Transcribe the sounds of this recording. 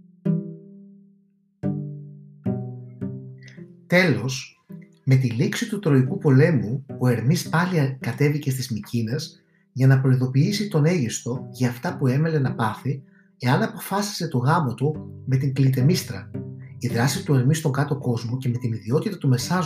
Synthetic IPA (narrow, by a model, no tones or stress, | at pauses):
t̪e̞lo̞s | me̞t̪̬iliksit̪ut̪ɾo̞ikupo̞le̞muoe̞ɾmispɐlikɐt̪e̞vice̞st̪izmicine̞z | ʝɐnɐpɾo̞iðo̞piisit̪o̞ne̞ʝist̪o̞ʝɐːft̪ɐpue̞me̞le̞nɐpɐθi | e̞ɐnɐpo̞fɐsi̥se̞t̪o̞ɣɐmot̪ume̞t̪̬iŋklit̪e̞mist̪ɾɐiðɾɐsit̪ue̞ɾmist̪o̞ŋkɐt̪o̞ko̞zmo̞ce̞me̞t̪iniðio̞t̪it̪ɐt̪ume̞sɐ